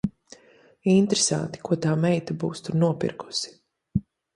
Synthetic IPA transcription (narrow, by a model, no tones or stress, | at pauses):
int̪ɾesa̰nt̪i̥kuɔt̪aːmɛjt̪abuːst̪uɾnuɔpḭɾku̥si̥